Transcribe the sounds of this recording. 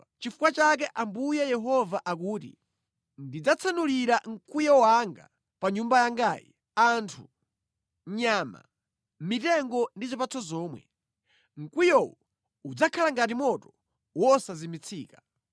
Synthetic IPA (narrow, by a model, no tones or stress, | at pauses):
t͡ʃifukwat͡ʃak̬ɛʔambujɛjɛɦɔvaʔakuːtḭ | ndid͡zat͡sʰanuliɾaŋ̩kwijɔwaŋɡa̰ | paɲumbajaŋɡaːjḭ | antʰu | ɲaːma̰ | mitɛŋɡɔndizipat͡sʰɔzɔːmwɛ̰ | ŋ̩kwijɔwɔ | ud͡zakʰalaŋɡatimɔtɔ | wɔsazimit͡sʰiːka